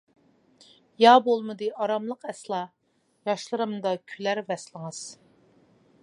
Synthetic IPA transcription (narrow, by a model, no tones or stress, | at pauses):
jɑbolˠmɨd̪ɨʔɑɾɑmlˠəqɛslˠɑ | jɑʃlˠɨɾɨmd̪ɑkʲʰylæɾvɛslˠəŋɨz̥